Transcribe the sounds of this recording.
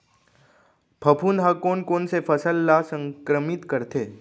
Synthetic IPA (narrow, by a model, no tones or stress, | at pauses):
bʰʱɐpʰuːnd̪ɦakoːnkoːnsefʰɐsəlːasə̃ŋkɾəmɪt̪kɐɾt̪eː